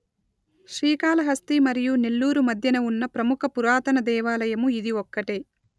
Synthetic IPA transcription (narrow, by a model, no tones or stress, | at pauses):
ʃɾiːkaːlɐɦɐst̪imɐɾijunelːuːɾumɐd̪ʱjɐnɐunːɐpɾɐmukʰɐpuɾaːt̪ɐnɐd̪ɛːʋaːlɐjɐmuid̪iʋɔkːɐʈeː